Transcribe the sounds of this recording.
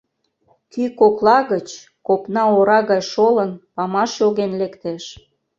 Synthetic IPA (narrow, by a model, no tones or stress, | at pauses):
kykoklɑɣət͡ɕ | kopnɑoɾɑɣɑjʃolənpɑmɑʃjoɣenlekt̪eʃ